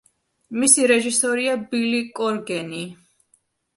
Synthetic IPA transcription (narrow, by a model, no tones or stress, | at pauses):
misiɾɛʒisɔɾiabilikʼɔɾɡɛni